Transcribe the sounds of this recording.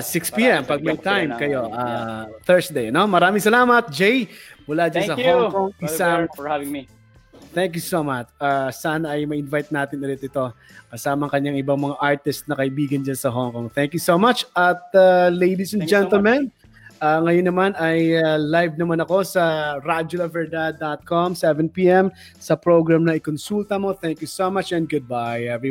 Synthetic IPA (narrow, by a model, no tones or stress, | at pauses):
sɪkspiʔɛmpɐɡ̚mɐjt̪ajmkɐjo̞ʔaθɛɹsd̪ejɐno̞mɐɾaːmɪŋsɐlaːmɐt̪̚d͡ʒɛjmʊlad͡ʒansɐhoŋkoŋɪsaŋ | t̪ɛŋk̬jusomɐt͡ʃaːsaːnɐɐjmɐʔɪnvajt̪̚naːt̪ɪnʊlɪt̪ʔɪt̪o̞ | kɐsaːmɐŋkɐɲːaŋʔɪbaŋmɐŋaʔaɹt̪ɪst̪nɐkɐʔɪbiːɡɐnd͡ʒansɐɦoŋkoŋθɛŋkjusomat͡ʃɐt̪̚alejd̪isɛnd͡ʒɛnt̪ɛlmɛn | aːŋɐjonːɐmanɐjalajvnɐmanɐko̞sɐɾad͡ʒʊlɐvɛɹd̪ad̪at̪̚komsɛvɛ̃npiʔɛm | sɐpɹoɡɹamnɐʔɪkonsult̪ɐmo̞θɛŋkjusomat͡ʃɛn̚ɡʊd̪̚bajɛv